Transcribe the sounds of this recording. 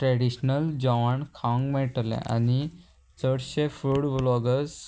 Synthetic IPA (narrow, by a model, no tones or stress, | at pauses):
ʈɾɛɽiɕnəld͡ʑɔʋaɳkʰãŋɡmɛʈlḛ̃ʔa̰ni | t͡səɽɕefɾuɽblɔɡəs